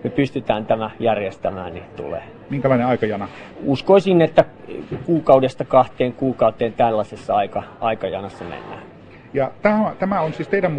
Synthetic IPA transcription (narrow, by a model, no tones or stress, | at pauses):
mepyst̪yt̪æːnt̪æmæjærjest̪æmæ̰ːnnit̪ṵlḛː | miŋkælɑĭneɑˑikɑjɑnɑ | uskoisinːet̪ːækuːkɑudest̪ɑkɑht̪eːŋkuːkɑut̪eːnt̪ælːæsesːɑɑikɑʔɑikɑjɑ̰nɑsːɑmḛnːæ̰ː | jɑt̪æːot̪æmæonsiːst̪eidæmm